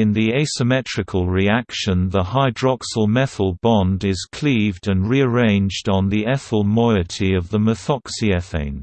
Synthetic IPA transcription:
ɪ̃nðieɪsəmɛtɹ̥ɨkʰəlˠɹiakʃə̃nðəhaɪdɹɑksəlˠmɛθəlˠbɒ̃ndɪz̥kʰl̥iːvdə̃nɹiəɹẽɪ̃nd͡ʒdn̩ðiɛθəlˠmɔɪətʰiəvðəməθɒksiɛθḛ̃ɪ̃n

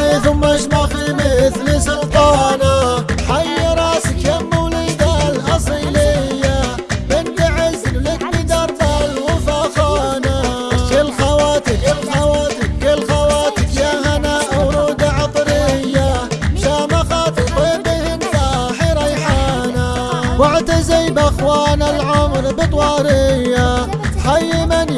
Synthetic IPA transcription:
iθʊmːaʃmaximɪθlisʊlt̪ˤɑːnaħajːɪɾˤɑsɪkjamːuwlɪd̪alʔɑsˤilɪjːa | bɪnt̪ɪʕɪzklɪkbɪd̪ɑɾˤt̪alwʊfaxɑnakɪlxawaːt̪ɪkɪlxawaːt̪ɪkɪlxawaːt̪ɪkjahanaʔawɾuːd̪aʕɑt̪ˤɾɪjːaʃaːmaxat̪kwebɪhɪnfaħiɾˤɑjħaːnawaʕt̪azijbaxwaːnalʕʊmɾbɨt̪ˤwɑːɾɪjːa | ħajːɪman

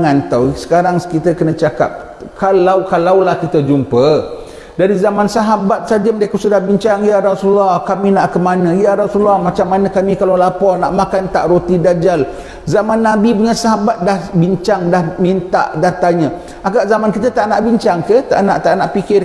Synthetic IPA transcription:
ant̪awsə̥kaɾaŋsə̥kit̪əkənət͡ʃaka̰p̚ | kalawkalawlahkit̪əd͡ʒumpə | daɾizamansaɦabat̪̚sad͡ʒəmdakusudahbiɲt͡ʃaŋjaɾɔsulahkaminaʔkəmanə̃jaɾɔsulɔhmat͡ʃamːanə̃kamikalawlapɔrna̰ʔmakant̪aʔɾot̪idad͡ʒal | zamanːabipuɲasaɦabat̪̚dahbiɲt͡ʃaŋdahmint̪a̰ʔdat̪aɲə̃ | ʔaɡaʔzamankit̪ət̪aʔnaʔbiɲt͡ʃaŋkəht̪a̰ʔnaʔt̪aʔnaʔpikɪr

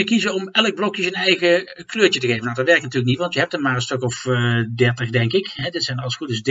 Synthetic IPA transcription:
əkizəɔmɛlˠək̚blɔkjəzənɛjɣəkløːɹt͡ʃətəɣejvənawdɑtʋɛɹəknatyːɹlək̬̚nitʋɑntjəɦɛp̚tənmaːrəstɔkɔfdɛɹtəχdɛŋkɪkɦɛdɪtsɛjnɑlˠəsχudəsd

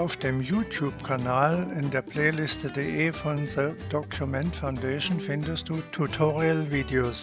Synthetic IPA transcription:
aʊfd̥eːmjuːtʰjuːbkʰanaːlɪndeːɐpʰl̥eːlɪstədeʔeːfɔ̃nðəd̥ɔkʰjumɛ̃ntfaʊndeɪʃn̩fɪndəst̚d̥uːtʰutʰɔʁiəlviːdeoːs

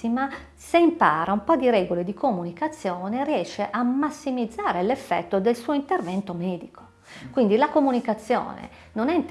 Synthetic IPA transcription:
ima | seimpa̰ːɾaumpɔd̪iɾɛːɡoled̪ikʰomunikat̪sːjɔːneriɛːʃːeʔamːasːimid̪zːaːɾelefːɛ̰t̪ːod̪elsuːoint̪ervɛnt̪omɛːd̪ikʰo̥ | kwind̪ilakomunikat̪sːjɔ̰ːnḛ | nonɛint̪

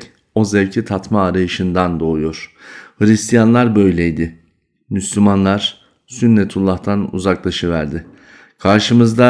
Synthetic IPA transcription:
o̞zɛvcʰit̪ʰat̪maːɾajɯʃɯnd̪and̪o̞ujo̞ɾ̥hɯɾist̪ʰijanlˠaɾbø̞jlʲejd̪ɪ | myslʲymanlˠaɾ̥ | synːɛt̪ʰulˠːaht̪ʰanṵzaklˠaʃɯvæɾd̪ɪ | kʰaɾʃɯmɯzd̪a

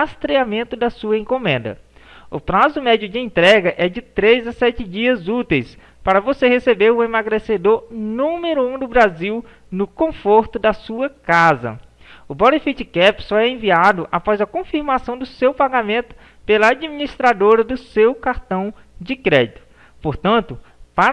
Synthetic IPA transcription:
ast̪ɾeamẽnt̪ʊd̪ɐsuɐẽkomẽnd̪ɐ̰ | ʊpɾazʊmɛd͡ʒiʊd͡ʒɪẽnt̪ɾɛɡɐʔɛd͡ʒɪt̪ɾezasɛt͡ʃɪd͡ʒiɐzut̪ejs | paɾɐvosehesebeɾʊemaɡɾesed̪oɾnũmeɾʊũd̪ʊbɾaziw | nʊkõfoɾt̪ʊd̪ɐsuɐkazɐ̰ | ʊbolefit͡ʃɪkɛpsɔɛẽviad̪ʊʔa̰pɔzɐkõfiɾmasɐ̃w̃d̪ʊsewpaɡamẽnt̪ʊ̥ | pelɐad͡ʒiminist̪ɾad̪oɾɐd̪ʊsewkaɾt̪ɐ̃w̃ | d͡ʒɪkɾɛd͡ʒit̪ʊ̥ | poɾt̪ɐ̃nt̪ʊpa

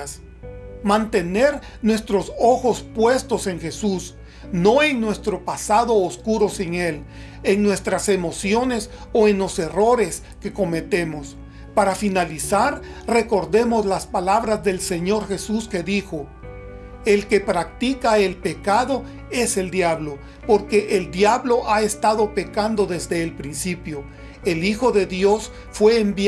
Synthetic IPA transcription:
s | mant̪e̞ne̞ɾ | nwe̞st̪ɾo̞so̞xo̞spwe̞st̪o̞se̞ŋxe̞sus | no̞e̞ŋnwe̞st̪ɾo̞pasaðo̞ːskuɾo̞siŋe̞l | eŋnwe̞st̪ɾase̞mo̞sjo̞ne̞s | o̞enlo̞se̞ro̞ɾe̞s | ke̞ko̞me̞t̪e̞mo̞s | paɾafinalisaɾre̞ko̞ɾðe̞mo̞zlaspalaβɾazðe̞lse̞ɲo̞ɾxe̞suske̞ðixo̞ | e̞lke̞pɾak̚t̪ikae̞lpe̞kaðo̞ | e̞seld̪jaβlo̞ | po̞ɾke̞ʔeld̪jaβlo̞ʔae̞st̪aðo̞pe̞kand̪o̞ðe̞zd̪e̞ːlpɾinsipjo̞ | elixo̞ðe̞ðjo̞s | fwe̞ːmb

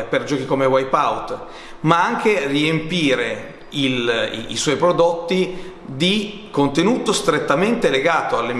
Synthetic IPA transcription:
perd͡ʒɔːkikomewajpawt̪ | maaŋkeriempiːɾe | il̰ḭswɔjpɾod̪ot̪ːi | d̪i | kont̪enuːt̪ost̪ɾet̪ːament̪eleɡaːt̪oalːe

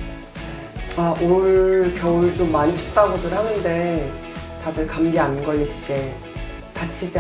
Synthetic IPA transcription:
aʔoɭɭkjʌuɭt͡ɕomːant͡ɕʰi̥k̚t͈aɡudɯɾhanɯnde̞ | tadɯɭkamɡeanɡʌɭːiɕʰi̥ɡe̞ | tat͡ɕʰid͡ʑi

